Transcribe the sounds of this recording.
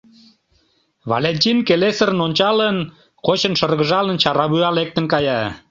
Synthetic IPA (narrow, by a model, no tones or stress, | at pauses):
βɑ̰lenʲtʲinkelesəɾənonʲt͡ɕɑlən | kot͡ɕənʃərɣəʒɑlənt͡ɕɑɾɑβyɑlek̚t̪ə̆nkɑjɑ